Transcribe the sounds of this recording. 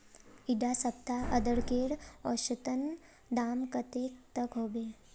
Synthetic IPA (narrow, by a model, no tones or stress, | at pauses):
iɖasəbt̪aʔəd̪əɽkeːɽɔːɾʃut̪ən | d̪aːmkət̪ekt̪əkɦoːbeː